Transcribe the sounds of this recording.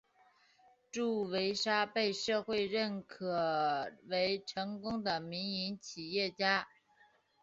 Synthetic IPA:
ʈ͡ʂu˥˩we˧˥ɪʂa˥pe˥˧ɪʂɤ˥˧xwe˥˧ɪɻə˥˩nkʰɤ˨˩we˧˥ɪʈ͡ʂʰɤ˧˥ŋkʊ˥ŋd̪ə˨mi˧˥ŋi˧˥nt͡ɕʰi˨˩jɛ˥˩t͡ɕja˥

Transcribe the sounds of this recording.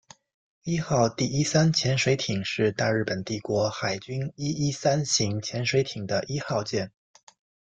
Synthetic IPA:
i˥xɑ˥˧ʊt̪i˥˩i˥sa˥nt͡ɕʰjɛ˧˥nʂwe˧˥ɪt̪ʰi˨˩ŋʂɻ̩˥˧t̪a˥˧ɻɻ̩˥˩pə˨˩nt̪i˥˩kwɔ˧˥xa˨˩ɪt͡ɕy˥ni˥i˥sa˥nɕi˧˥ŋt͡ɕʰjɛ˧˥nʂwe˧˥ɪt̪ʰi˨˩ŋd̪ə˦ʔi˥xɑ˥˧ʊt͡ɕjɛ˥˩n

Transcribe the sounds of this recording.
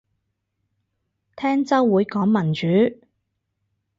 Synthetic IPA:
t̪ʰɛː˥ŋt͡sɐ˥wːuː˨˧jkɔː˨˥ŋmɐ˨˩nt͡ʃyː˨˥

